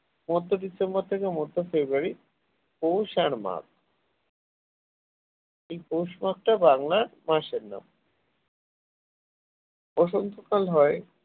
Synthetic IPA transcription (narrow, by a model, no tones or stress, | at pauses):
mɔd̪ʱːoɖisemboɾt̪ʰekemɔd̪ʱːofebɾuaɾi | powʃaɾma̰k̚ʰ | ejpowʃmak̚ʈabaŋlamaʃeɾna̰m | ɔʃont̪ʰokalɦɔe